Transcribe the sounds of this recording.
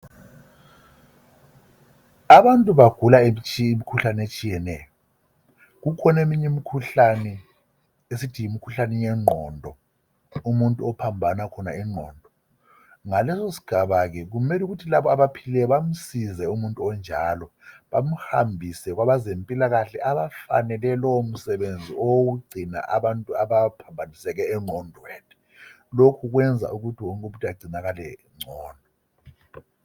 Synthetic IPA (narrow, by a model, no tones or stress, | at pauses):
aβantʼuβaɡ̥ʱulaet͡ʃːmikʰuɬanet͡ʃʼijɛnɛjɔ | ɣukʰɔnemiɲɛmikʰuɬanɛ | esitʰijimikʰuɬanɛjɛŋ͡ǃʱɔ̰ndʱɔ | umuntʼuɔpʰambʱanakʰɔnaɛŋ͡ǃʱɔ̰ːndʱɔ | ŋalɛsosi̥ɡ̥ʱaβaɣɛɣ̬umɛluɣutʰilaβɔaβapʰilɛβam̩sizɛumuntʼuɔnd͡ʒʱalɔ | ɓam̩hambʱisɛk̬waβazempʼilaɣaɬɛʔaβafa̰nɛlɛlɔum̩sɛɓend͡zʱiowuɡ͡ǀʱina̰ʔaɓantʼuaβapʰambʱanisɛk̬ɛːŋ͡ǀʱɔndʱɔwɛtʰɛ̥ | lokʰuɣ̬wɛnd͡zʱa̰ʔuɣutʰiwɔŋkʼuɓutʰʼaɡ͡ǀʱinaɣalɛ̰ | ŋ͡ǀʱɔːndʱɔ